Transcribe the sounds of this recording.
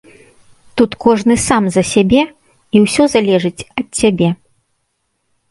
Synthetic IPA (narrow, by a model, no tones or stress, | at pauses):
t̪ut̪kɔʐnɨsamzɐsʲabʲɛ | iwsʲɔzalʲɛʐɨt͡sʲɐt̪̚sʲabʲɛ